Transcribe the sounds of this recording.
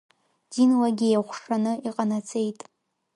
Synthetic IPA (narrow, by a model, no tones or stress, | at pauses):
dinwaɡʲijχʷʂanɨiqʼanat͡sʰʼejtʼ